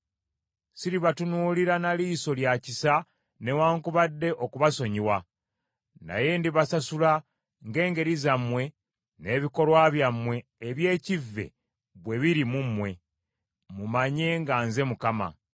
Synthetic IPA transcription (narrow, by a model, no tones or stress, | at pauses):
siɾiβatunuːliɾanaliːso̞ljacisa | ne̞waːŋkuβadːe̞ʔo̞kuβaso̞ɲiwa | na̰je̞ndiβasasula | ŋɡe̞ːŋɡe̞ɾizamwe̞ | ne̞ːβiko̞lwaβjamwe̞ːβje̞ːcivːe̞̰ | βwe̞βiɾimumwe̞ | mumaɲe̞ŋɡanze̞mukama̰